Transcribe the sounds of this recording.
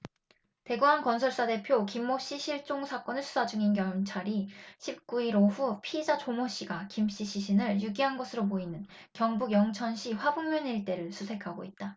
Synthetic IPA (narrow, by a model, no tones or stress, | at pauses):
te̞ɡuɦankʌnsʰʌɭs͈ade̞pʰjokimːoɕ͈iɕʰiɭt͡ɕ͈oŋsʰak͈ʌnɯɭsʰu̥sʰad͡ʑuŋinkjʌŋt͡ɕʰaɾiɕʰip̚k͈uiɾoɸupʰid͡ʑat͡ɕomoɕ͈iɡakimɕ͈iɕʰiɕʰinɯɭjuɡiɦanɡʌsʰɯɾoboinɯn | kjʌŋbuɡjʌŋt͡ɕʰʌnɕʰiɸwabuŋmjʌniɭt͈e̞ɾɯɭsʰusʰe̞kʰaɡo̰it̚t͈a